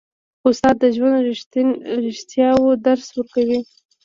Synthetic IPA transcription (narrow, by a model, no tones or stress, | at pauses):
ʊsɑt̪̚d̪əʒwand̪ɾɪɾɪʃt̪jɑwod̪aɾswəɾkawi